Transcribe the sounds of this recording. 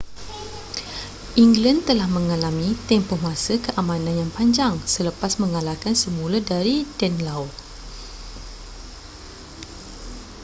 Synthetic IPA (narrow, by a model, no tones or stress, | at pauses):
ʔiŋɡlant̪əlahmə̃ŋalamĩt̪ɛmpɔhmãsəkəʔamãnãnjaŋpaɲd͡ʒaŋsələpasmə̃ŋalakansəmũladaɾidɛnlawt